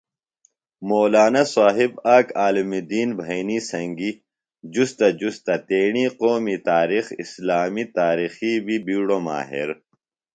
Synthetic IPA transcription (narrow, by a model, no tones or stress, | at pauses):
moːlaːnɐsaːɦibaːkaːlimid̪iːnbʱɐjnisɐ̃ŋɡi | d͡ʑust̪ɐd͡ʑust̪ɐt̪eːɳiːqoːmit̪aːɾixislaːmit̪aːɾiːxibibiːɽoma̰ːɦḭɾ